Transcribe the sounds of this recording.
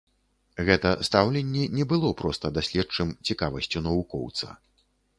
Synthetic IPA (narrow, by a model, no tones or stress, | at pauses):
ɣɛt̪ɐst̪awlʲɛnʲːɛnʲɛbɨlˠɔpɾɔst̪ɐd̪asʲlʲɛt͡ʂɨmt͡sʲikavɐsʲt͡sʲunɐvukɔ̰wt̪sɐ̰